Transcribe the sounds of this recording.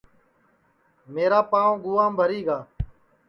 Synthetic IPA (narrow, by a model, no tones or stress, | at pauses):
meːɾaːpãːõɡʊːãːmbʱəɾiːɡaː